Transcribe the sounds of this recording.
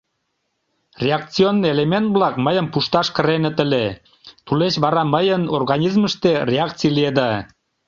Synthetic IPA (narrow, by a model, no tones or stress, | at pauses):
rʲeɑk̚t͡sionːielement̪̚βlɑkməjəmpuʃt̪ɑʃkəɾenĕt̪əle | t̪uleʃβɑɾɑməjənorɣɑnʲizməʃt̪erʲeɑk̚t͡sijlied̪ɑ